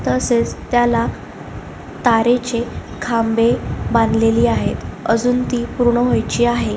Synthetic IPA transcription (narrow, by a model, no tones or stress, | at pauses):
t̪əəset͡st̪jala | t̪aɾet͡ɕe | kʰambebãnd̪ʱleliːaɦet̪əd͡zuːnt̪iːpuɾɳəɦojt͡ɕiːaɦe